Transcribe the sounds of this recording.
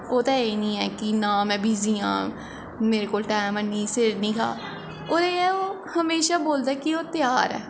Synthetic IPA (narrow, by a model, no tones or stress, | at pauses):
oːt̪aeːnĩːɛːkinãːmɛ̃ːbʱiːziːã̰ː | meːɾekoːlʈaːmənːiːsɪɾnĩːkʰa̰ː | oːɾeːɛoː | həmeːʃaːboːld̪aɛkioːt̪ɪjaːɾɛ̰ː